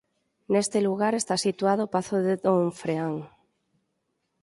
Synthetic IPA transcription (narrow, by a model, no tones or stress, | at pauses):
nest̪eluɣ̞aɾe̞st̪asit̪waðopaθoðeðoɱfɾeaŋ